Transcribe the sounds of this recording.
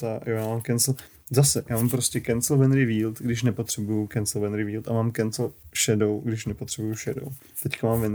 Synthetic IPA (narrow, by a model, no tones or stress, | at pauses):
t̪ajojaːmaːmkɛnsl̩ | zasɛjaːmaːmpɾoscʲɛkɛnsl̩vɛnɾɪviːlt̪ɡdɪʃ̬nɛpot̪r̝̥ɛbujukɛnslvɛnɾɪviːlt̪amaːmkɛnslʃɛdo̞wɡdɪʃnɛpot̪r̥ɛbujuʃɛdo̰w | t̪ɛckamaːmvɛn